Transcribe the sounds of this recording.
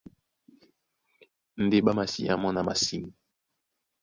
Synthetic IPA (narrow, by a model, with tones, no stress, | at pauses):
n̩˨de˨ɓa˦ma˨sḭ˨a̰˦mɔ˦na˨ma˨si˦ŋi˨